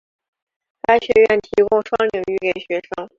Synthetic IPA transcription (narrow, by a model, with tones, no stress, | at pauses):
t̪a˥˩ɪɕɥɛ˧˥ɥɛ˥˩nt̪ʰi˧˥kʊ˥ŋʂwɑ˥ŋlji˨˩ŋy˥˩ke˨˩ɪɕɥɛ˧˥ʂɤ˥ŋ